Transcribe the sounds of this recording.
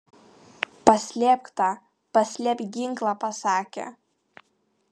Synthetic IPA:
pɐsʲlʲɛːpʲkt̪ɑː | pɐsʲlʲɛpʲɡʲɪŋklˠɑpɐsɑːkʲḛ

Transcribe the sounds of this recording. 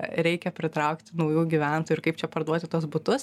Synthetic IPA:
ɾʲɛɪkʲɛpʲɾʲɪt̪ɾɐʊkt̪ʲɪnɐʊjuːɡʲiʋʲæˑnt̪oːjʊɪɾkɐɪpt͡ʃʲɛpɐɾd̪uɔt̪ʲɪt̪uɔsbʊt̪ʊs

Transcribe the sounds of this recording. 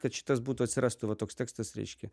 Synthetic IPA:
kɐt̪t͡ɕːɪ̥t̪azbut̪əət̪ʲsʲɾast̪ʊvɐt̪oksʲt̪ʲɛkst̪ɐsʲɾʲḛt͡ɕkʲɪ

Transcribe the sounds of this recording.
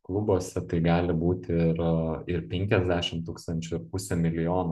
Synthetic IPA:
klˠʊboːsʲɛt̪ɐɪɡɑːlʲɪbuːt̪ʲɪɾɪrpʲɛŋʲkʲɛzʲd̪ʲæːʃʲɪmt̪uːkst̪ɐnʲt͡ʃʲʊɪɾpʊsʲɛmʲɪlʲɪjoːnʊ

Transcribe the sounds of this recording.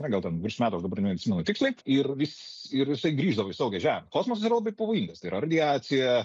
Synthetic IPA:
nʲɐɡɐlˠtʲɛnʋʲɾʲɪʃʲɪmæːt̪uɐʃd̪ɐbɐɾnʲɛɐt̪sʲɪmʲɛnʊt̪ʲɪksʲlʲɛɪɪrʋʲɪsʲɪrjɪsɐɪɡɾʲiːʒd̪ɐʋoɪsɐʊɡʲɛʒʲæːɪmʲɛkoːsmosɐsiɾɐlˠɐbɐɪpɐʋoːjiŋɡɐst̪ɐɪiɾɐrɐd̪ʲɪæːt͡sʲɪjɛ

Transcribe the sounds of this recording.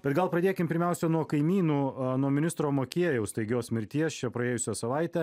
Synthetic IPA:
b̥ʲɛt̪ɡɐlˠpɾɐd̪ʲeːkʲɪmpʲɪɾʲmʲɛʊsʲɛnuɔkɐɪmʲiːnuːnuɔmʲɪnʲɪst̪ɾoːmoːkʲeɛjɛʊst̪ɐɪɡʲɪjoːsmʲɪɾʲt̪ʲiɛst͡ʃʲɛpɾɐeːjʊsʲæsɐʋɐɪt̪ʲæ

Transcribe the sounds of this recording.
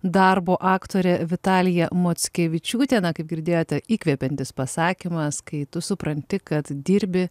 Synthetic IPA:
d̪ɐɾboːʔɑːkt̪oːɾʲɛʋʲɪt̪ɑːlʲɪjɛmoːt̪sʲkʲɛʋʲɪt͡ʃʲuːt̪ʲɛːnɐkɐɪp̚ɡʲɪɾʲd̪ʲeːjoːt̪ʲɛiːkʲʋʲɛːpʲɛnʲt̪ʲɪspɐsɑːkʲimɐskɐɪt̪ʊsʊpɾɐnʲt̪ʲɪkɐt̪d̪ʲiːɾʲbʲɪ

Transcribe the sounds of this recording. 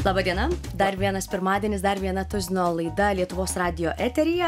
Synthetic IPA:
lˠɑːbɐd̪ʲiɛnɐ | d̪ɐɾʋʲiɛnɐspʲɪɾmɑːd̪ʲiɛnʲɪsd̪ɐɾʋʲiɛnɐt̪ʊzʲɪnoːlˠɐɪd̪ɐlʲiɛt̪ʊʋoːsɾɑːd̪ʲɪjoːʔɛt̪ʲɛɾʲɪjɛ

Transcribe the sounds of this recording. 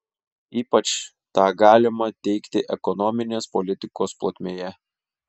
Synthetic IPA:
iːpɐt͡ʃ | t̪ɑːɡɑːlʲɪmɐt̪ʲɛɪkt̪ʲɪʔɛkɔnɔmʲɪnʲeːspɔlʲɪt̪ʲɪkoːsplˠot̪ʲmʲeːjɛ

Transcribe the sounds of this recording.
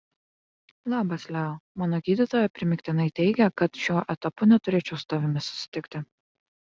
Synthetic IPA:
lˠɑːbɐsʲlʲæomɑːnoːɡʲiːd̪ʲit̪oːjɛpʲɾʲɪmʲɪkʲt̪ʲɪnɐɪt̪ʲɛɪɡʲɛkɐt̪ʃʲuːʔɛt̪ɐpʊnʲɛt̪ʊɾʲeːt͡ʃʲɛʊsʊ̥t̪ɐʋʲɪmʲɪsʊ̥sʲɪ̥t̪ʲɪkʲt̪ʲɪ

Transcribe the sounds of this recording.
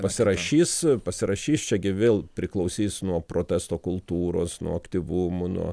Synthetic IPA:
pɐsʲɪɾɐʃʲiːspɐsʲɪɾɐʃʲiːst͡ʃʲɛɡʲɪʋʲeːlˠpʲɾʲɪklˠɐʊsʲiːsnuɔpɾoːt̪ʲæst̪oːkʊlˠt̪uːɾo̰ːsnṵɔɐkt̪ʲiʋʊmʊnṵɔ

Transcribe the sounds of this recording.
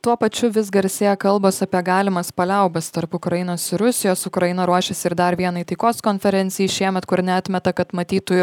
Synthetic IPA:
t̪uɔpɐt͡ʃʲʊʋʲɪs̬ɡɐɾʲsʲeːjɛkɐlˠboːsɐpʲiɛɡɑːlʲɪmɐspɐlʲɛʊbʲɐst̪ɐɾpʊkɾɐjɪnoːsɪɾʊsʲɪjoːsʊkɾɐjɪnɐɾuɔʃʲɛsʲɪɾd̪ɐɾʋʲiɛnɐit̪ɐɪkoːskoːnʲfʲɛɾʲɛnʲt̪sʲɪjiːʃʲiɛmʲɛt̪kʊɾnʲɛɐt̪ʲmʲɛt̪ɐkɐt̪mɐt̪ʲiːt̪ʊjʊ

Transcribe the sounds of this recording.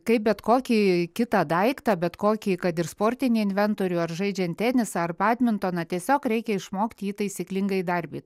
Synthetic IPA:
kɐɪp̚bʲɛt̪koːkʲiːkʲɪt̪ɐd̪ɐɪkt̪ɐbʲɛt̪koːkʲiːkɐt̪ɪrspoːrʲt̪ʲɪnʲiːɪnʲʋʲɛnt̪oːɾʲuːɐrʒɐɪd͡ʒʲɛnt̪ʲt̪ʲæːnʲɪsɑɐrpɑːd̪ʲmʲɪnt̪oːnɐt̪ʲiɛsʲoːkɾʲɛɪkʲɛɪʃmoːkt̪ʲiːt̪ɐɪsʲiːklʲɪŋɡɐɪd̪ɐɾʲbʲiːt̪

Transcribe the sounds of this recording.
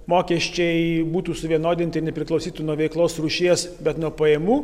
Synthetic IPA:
moːkʲiɛʃʲt͡ʃʲɛɪbuːt̪uːsʊʋʲiɛnoːd̪ʲɪnʲt̪ɐɪnʲɛpʲɾʲɪklˠɔʊsʲiːt̪unuɔʋʲɛɪklˠoːsruːʃʲiɛsbʲɛt̪nuɔpɐjɛmuː

